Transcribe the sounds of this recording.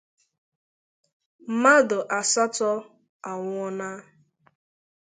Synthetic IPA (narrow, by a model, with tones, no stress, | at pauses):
m̩˦ma˦dʊ˨ʔa˨sa˦tɔ˦ | a˨ŋʷ˦ɔ˦na˦